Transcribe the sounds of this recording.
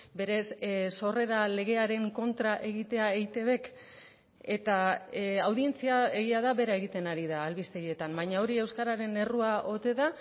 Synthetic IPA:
be̞ɾe̞sso̞re̞ɾale̞ɣ̞e̞aɾe̞ŋko̞nt̪ɾaʔe̞ɣ̞it̪e̞aejt̪e̞βe̞k | e̞t̪aawðie̞nt͡siae̞ɣiaðaβe̞ɾae̞ɣit̪e̞naɾiðaːlβist̪e̞jie̞t̪ambajɲao̞ɾie̞wskaɾaɾe̞ne̞ruaʔo̞t̪e̞ða

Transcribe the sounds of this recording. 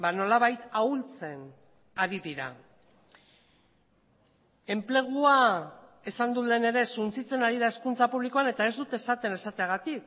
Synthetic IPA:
bano̞laβajt̪ault͡se̞n | aɾiðiɾa̰ | e̞mple̞ɣ̞ua | e̞sand̪ule̞ne̞ɾe̞sunt͡sit͡se̞naɾiðae̞skunt͡sapuβliko̞ane̞t̪ae̞zd̪ut̪esat̪e̞ne̞sat̪e̞aɣ̞at̪ik

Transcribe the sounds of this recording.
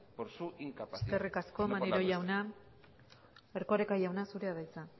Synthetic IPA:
suiŋkst̪erikasko̞maneɾo̞jawna | eɾkoɾekajawnasuɾe̞aðajt͡sa

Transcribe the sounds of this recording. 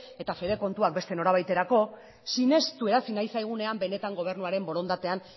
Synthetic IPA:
e̞t̪afe̞βe̞ko̞nt̪uak̚be̞st̪e̞no̞ɾaβ̞ajt̪e̞ɾako̞ | sine̞st̪ue̞ɾasinajsajɣ̞une̞ambe̞ne̞t̪aŋɡo̞β̞e̞ɾnuaɾe̞mbo̞ɾo̞nd̪at̪e̞an

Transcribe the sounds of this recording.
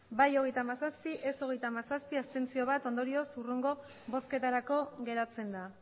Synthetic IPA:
bajo̞ɣe̞jt̪aːmasaspiʔeso̞ɣ̞e̞jt̪amasaspiast̪e̞nt͡sio̞β̞at̪o̞nd̪o̞ɾio̞sureŋɡo̞ | βo̞ske̞t̪aɾako̞ɣe̞ɾat͡se̞nd̪a

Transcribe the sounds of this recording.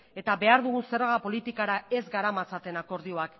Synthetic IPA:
e̞t̪abe̞aɾðuɣunse̞ɾɣapo̞lit̪ikaɾae̞zɡaɾamat͡sat̪e̞nako̞ɾðio̞ak

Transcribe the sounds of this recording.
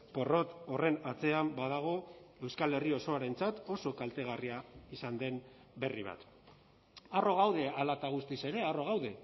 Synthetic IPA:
po̞ro̞t̪o̞re̞nat͡se̞ambað̞aɣ̞o̞e̞wskale̞rio̞so̞aɾe̞nt͡sat̪o̞so̞kalt̪e̞ɣ̞ariaisand̪e̞n | be̞riβ̞a̰t̪ | aro̞ɣawðe̞alat̪aɣ̞ust̪ise̞ɾe̞aro̞ɣawðe̞

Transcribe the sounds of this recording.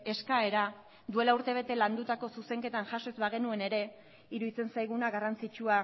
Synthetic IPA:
e̞skae̞ɾa | d̪ue̞lauɾt̪e̞β̞e̞t̪e̞land̪ut̪ako̞suse̞ŋke̞t̪anʝasoe̞zβaɣ̞e̞nue̞ne̞ɾe̞ | iɾuðit͡se̞nsajɣunaɣarant͡sit͡ʃua

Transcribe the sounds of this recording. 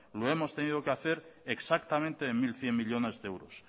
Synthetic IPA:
loe̞mo̞st̪e̞nið̞o̞keaθe̞ɾeksak̚t̪amẽnt̪e̞ːmmilθje̞mmiʎo̞ne̞zðeewɾos

